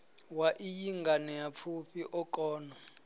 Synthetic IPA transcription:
waʔijiŋɡʱanɛjap̪fʰuɸʰiʔɔkʼɔːnɔ

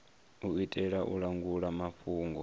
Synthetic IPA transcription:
uitʼɛɺaʔuɺaŋɡuɺamaɸuːŋɡɔ

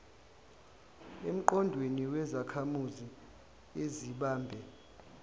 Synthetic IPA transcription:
em̩ǃɔndʱweniwɛzakʰamuzi | eziɓaːmbʱɛ

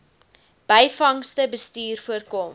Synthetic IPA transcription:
b̥əjfɐŋstəbəstyːrfuərkom

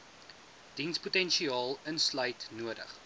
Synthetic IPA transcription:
d̥insputɛnʃiɑːlˠənslœɥtnuədə̰χ

